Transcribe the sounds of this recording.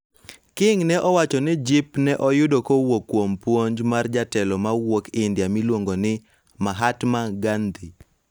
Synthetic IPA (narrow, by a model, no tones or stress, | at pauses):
kɪŋnɛʔɔwat͡ʃɔnɪd͡ʒɪpnɛʔɔjʊdokowokːwompwoɲd͡ʒmard͡ʒatɛlɔmawokɪndjamilwoŋɡonɪ | maɦatmaɡand̪i